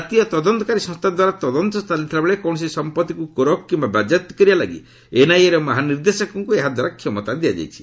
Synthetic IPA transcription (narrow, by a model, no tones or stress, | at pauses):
at̪iɔt̪ɔd̪ɔnt̪ɔkaɾisɔ̃st̪ʰad̪waɾat̪ɔd̪ɔnt̪ɔst̪ʰalit̪ʰilabeɭekɔwɳ̃ɔsisɔmpɔt̪ikukoɾɔkkimbabad͡ʒat̪kɔɾibalaɡḭ | enajeɾɔmaɦaniɾd̪esɔkɔŋkueɦad̪waɾakʰːjɔmɔt̪ad̪ijad͡ʒa̰jt͡ʃʰi̥